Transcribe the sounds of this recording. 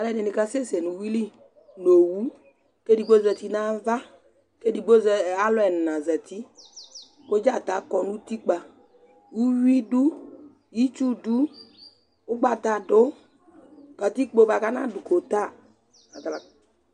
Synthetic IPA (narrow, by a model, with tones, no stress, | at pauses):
a˨lɛ˦ne˨ni˨˧ka˧se˦˨sɛ˨nũ˨wi˦li˦ | no˨wu˦ | ke˦di˨ɡ͡bo˦zɛ˧t̪i˦nã˦va˦ | ke˦di˨ɡ͡bo˦zɛ˧˨a˦lʊ˦ɛ˨n˨nã˨zɛ˨t̪i˦ | ko˦d͡ʒa˦˨t̪a˨˦kɔ˧nũ˦t̪i˦k͡pa˧ | wu˦wi˦du˦ | ji˦t͡ʃu˦du˦ | o˦ɡ͡ba˧t̪a˨do˨˦ | ka˨t̪i˦k͡po˧˦ba˧ka˦nã˦du˨ko˨t̪a˦˨ | a˨ta˨a˨